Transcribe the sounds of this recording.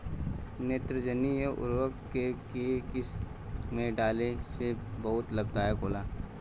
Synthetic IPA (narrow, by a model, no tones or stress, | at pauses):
neːt̪ɾəd͡ʒənijeʔʊ̰ɾwəkkekekɪs | mẽɖaːlesebɐɦʊt̪lɐb̚d̪aːjəkoːlaː